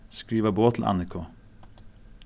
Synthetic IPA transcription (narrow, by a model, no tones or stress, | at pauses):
skɹiːʋəboːt̪ʰl̩ʔɑ̰nɪkʰʊ